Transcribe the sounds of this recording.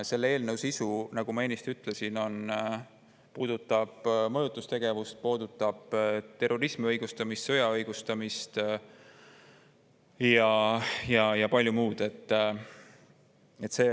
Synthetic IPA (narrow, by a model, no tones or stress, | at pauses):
se̞lːee̞ːlnəwsisunɑɡ̥umɑe̞ːnːist̪iyt̪ːˑle̞sino̞n | puːd̪̥ut̪ːˑɑb̥mɤjut̪ːˑust̪e̞ɡ̥e̞vust̪̚po̞ːd̪ut̪ˑːɑb̥t̪e̞ro̞ɾismiɤjɡ̥ust̪ɑmist̪sɤjɑɤjɡ̥ust̪ɑmist̪ | jɑjɑjɑpɑlʲjumuːd̪̥e̞t̪ː | e̞t̪ːˑse̞ː